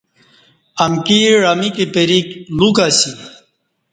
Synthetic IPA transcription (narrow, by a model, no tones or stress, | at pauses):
ɐmkiɾɐmikepeɾiklukasi